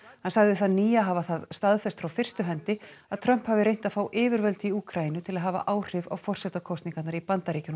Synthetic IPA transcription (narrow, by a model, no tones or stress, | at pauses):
hansaɣðɪθaðniːjaɦaːvaθaðst̪aðfɛst̪fɾawfɪr̥st̪ʏɦɛnt̪ɪ | aðt̪ʰɾœm̥phavɪɾejn̥t̪aðfaːwʔɪːvɪɾvœlt̪ɪiuːkʰɾainʏt̪ʰɪlaðɦaːva̰ʔaːwr̥ɪva̰wfɔr̥sɛt̪akʰɔsniŋkat̪naɾipant̪aɾiːcɪn